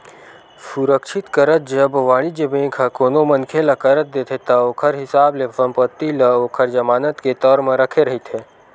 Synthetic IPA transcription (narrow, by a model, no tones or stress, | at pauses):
sʊɾəkʃɪt̪kəɾət̪̚d͡ʒəbʋaːɭid͡ʒebẽːkʰakoːnomɐnkʰelɐkəɾət̪̚d̪eːt̪ʰet̪ɐoːkʰəɾɦɪsaːblesə̃mpət̪ːilɐoːkʰəɾd͡ʒɐmaːnət̪ket̪ɔːɾmẽɾɐkʰeɾɐɦit̪ʰeː